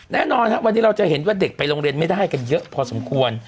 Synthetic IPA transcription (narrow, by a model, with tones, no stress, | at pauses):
nɛː˥˩nɔː˧nha˦˥ʔwa˧nːiː˦˥ɾa˧wt͡ɕa˨˩he˩˦nwaː˥˩de˨˩k̚pa˧jɾoː˧ŋɾi˧ənma˥˩jdaː˥˩jka˧njɤ˦˥ʔpʰɔː˧so˩˦mkʰu˧ən